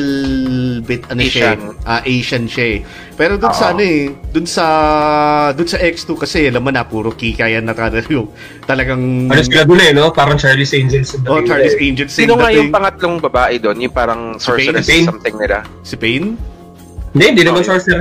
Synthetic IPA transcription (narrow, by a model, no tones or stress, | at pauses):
lbɪt̪ɐnoʃaʔaːʔejʃɐnʃaʔ | pɛːɾod̪ʊnsɐʔɐnoɛd̪ʊnsɐ | d̪ʊnsɐʔɛkst̪ukɐsɛlɐmɐnɐpuːɾokikaːjɐnːɐt̪ad̪ɐljo | t̪ɐlɐɡaŋloskɪlaɡ̪ʊlɛnopaːɾɐŋt͡ʃaɹlɪsʔejnd͡ʒɛlsɪnd̪ɐʔot͡ʃaɹlɪsʔɛnd͡ʒɛnsnoŋajʊɪŋpɐŋɐt̪̚loŋbɐbaːʔɛd̪onjʊŋpaːɾɐŋsoɹsamt̪ɪŋnɪla̰ | sɪpejn | hɪnd̪ɛʔɪnd̪iːnɐmɐnsoɹsɛɾ